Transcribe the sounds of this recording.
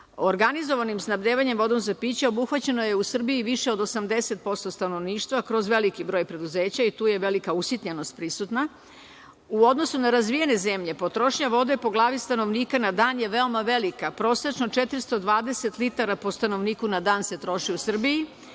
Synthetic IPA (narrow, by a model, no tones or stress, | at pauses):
oɾɡanizo̞ʋanimsnabd̪eːʋaɲemʋo̞d̪o̞mzapiːt͡ɕeo̞buxʋat͡ɕe̞no̞je̞usr̩biiʋiʃeo̞d̪o̞samd̪ese̞t̪̚po̞st̪o̞st̪ano̞ʋniːʃt̪ʋakɾo̞zʋe̞likibɾo̞ːjpɾe̞d̪uze̞ːt͡ɕait̪uːje̞ʋe̞likausjit̪ɲenost̪̚pɾisut̪na | uo̞d̪nosunaɾazʋijene̞zemʎe̞po̞t̪ɾo̞ʃɲaʋo̞d̪e̞po̞ɡlˠaːʋist̪ano̞ʋniːkanad̪aːnjeʋeo̞maʋe̞likapɾo̞ːset͡ʃno̞t͡ʃet̪ɾist̪o̞d̪ʋaːd̪ese̞t̪lit̪aɾapo̞st̪ano̞ʋniːkunad̪aːnse̞t̪ɾo̞ʃiusr̩biji